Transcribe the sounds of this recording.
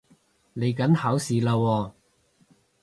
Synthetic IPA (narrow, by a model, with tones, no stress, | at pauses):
ne˨˧jkɐ˨˥nhaː˨˥wsiː˨laː˧wɔː˧